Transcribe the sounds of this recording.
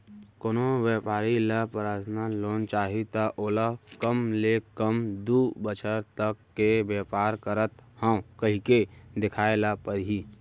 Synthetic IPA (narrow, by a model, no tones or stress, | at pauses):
koːnowjɛːpaːɾilapəɾaːt̪ʰnaloːnt͡ʃaːɦit̪aʔoːlakəmlekəmd̪uːbət͡ʃʰəɾt̪əkːebɛːpaːɾkəɾət̪hə̃kəɦiked̪ɪkʰaːelapəɾɦi